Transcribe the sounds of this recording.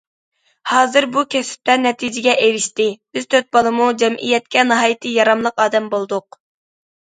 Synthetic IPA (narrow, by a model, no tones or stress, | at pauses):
hɑːzɨɾbukʲʰɛsɪ̥p̚t̪ɛnːɛt̪ʰid͡ʒɪɡʲɛʔewɪʃt̪ɪb̥ɪz̥t̪ʰøt̪̚bɑlˠɨmud͡ʒɛmʔḭjɛt̪̚kʲɛnɨɦɑːjɨt̪ʰɨjɑɾɑmlˠəqɑːd̪ɛmbolˠd̪ʊq